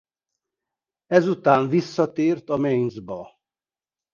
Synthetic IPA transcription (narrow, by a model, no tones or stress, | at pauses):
ɛzut̪aːɱvisːɒt̪eːrt̪ɒmejnzbɒ